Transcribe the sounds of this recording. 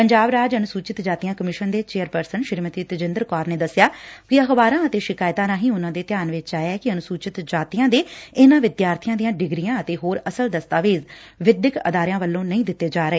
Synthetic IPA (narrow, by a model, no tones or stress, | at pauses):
pəɲd͡ʒaːbɾaːd͡ʒənʊsuːt͡ʃɪt̪d͡ʒaːt̪ijãːkəmɪʃənd̪eːt͡ʃeːəɾpəɾsənʃɪɾmət̪iːt̪əd͡ʒɪnd̪əɾkɔːɾneːd̪əsːɪjaːkɪəxbaːɾãːət̪eːʃɪkaːɪt̪ãːɾãːɦĩːʊnãːd̪eːt̪ɪjaːnʋɪt͡ʃt͡ʃaːjɛːkɪənʊsuːt͡ʃɪt̪d͡ʒaːt̪ijãːd̪eːɪnãːʋɪd̪jaːɾt̪ʰɪjãːd̪ijãːɖɪɡɾijãːət̪eːɦoːɾəsəld̪əst̪aːʋeːz | ʋɪd̪ɪkə̰d̪aːɾɪjãːʋəlːõːnəĩːd̪ɪt̪ːeːd͡ʒaːɾəeː